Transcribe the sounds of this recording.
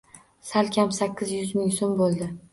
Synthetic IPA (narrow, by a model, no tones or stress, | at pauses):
salkʲʰamsakʲːɪzjʊzmɪŋsombolˠd̪ɪ